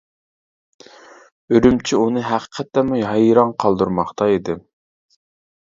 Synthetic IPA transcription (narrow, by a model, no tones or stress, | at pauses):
øɾymt͡ʃʰiunɨɦæqʰə̥qʰɛt̪ːɛmuɦɑjɾɑŋqʰɑlˠd̪uɾmɑχt̪ɑid̪ɪ